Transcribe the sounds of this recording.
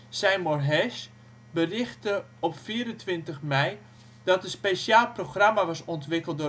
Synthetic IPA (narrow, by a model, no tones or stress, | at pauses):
sɛjmɔrɦɛʃ | bərɪxtə | ɔpfiːəɾəntʋɪntəxmɛj | d̥ɔtənspeʃaːlˠproχramaʋɔsɔntʋɪkəlˠdʊ